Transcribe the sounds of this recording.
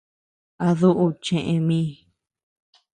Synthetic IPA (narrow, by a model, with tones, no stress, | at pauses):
a˧ðu˦ʔu˧t͡ʃẽ˧˨ʔẽ˧mĩ˦